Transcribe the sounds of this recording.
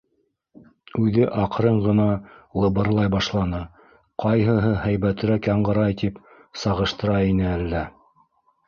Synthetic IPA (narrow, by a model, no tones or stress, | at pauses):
ʉðɘʔɑqɾɤɴʁɤ̆nɑlˠɤ̆βɤ̆ɾlˠɑjbɑʃlˠɑnɤ | qʰɑjɦɤ̆ɦɤhæjβæt̪ɘ̆ɾækjɑɴɢɤ̆ɾɑjt̪ip | sɑʁɤ̆ʃt̪ɤ̆ɾɑinɘælːæ